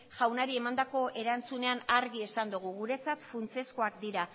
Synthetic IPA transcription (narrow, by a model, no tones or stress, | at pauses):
ʝawnaɾie̞mand̪ako̞ʔe̞ɾant͡sune̞anaɾɣie̞sand̪uɣ̞uɣuɾe̞t͡sat̪funt͡se̞sko̞akd̪iɾa